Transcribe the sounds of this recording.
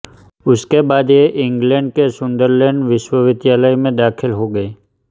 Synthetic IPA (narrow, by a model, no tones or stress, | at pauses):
ʊskebaːd̪jeʔɪ̃ŋɡlɛ̃ːɳɖkesʊ̃nd̪əɾlɛ̃ːɳɖʋɪʃwəʋɪt̪jaːləjmẽd̪aːkʰɪlɦoɡəeː